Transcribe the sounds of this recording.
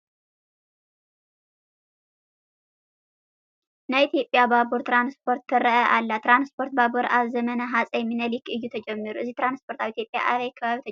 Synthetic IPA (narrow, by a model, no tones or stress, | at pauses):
nəit̪jo̞pʼːjababuɾt̪ɾanspʰo̞ɾt̪ːɨɾəʔəʔalːat̪ɾanspʰo̞ɾt̪̚babuɾʔaβzəmənaɦasʼəjɛmːinəlikɨjːut̪ʰəd͡ʒɛmːɨɾuʔɨzːit̪ɾanspʰo̞ɾt̪ʰaβit̪jo̞pʼja̰ʔaβəjakʰːəβaβit̪ʰ